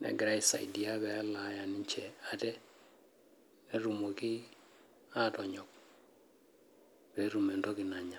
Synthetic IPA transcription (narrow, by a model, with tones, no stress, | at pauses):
nɛ̰˨ɡɪ˨ɾa˦i˨sa̰˨idi˨a˦βɛ˨a˦la˨˦ja˨nɪ˦ɲt͡ʃɛ˨a˦tɛ˦ | ne˦ɾu˨mo˨ki˦ | a˦tɔ˨ɲɔ˨k̚ | pe˨˦ɾu˨mɛ˨ndɔ˦ki˨na˨ɲa˨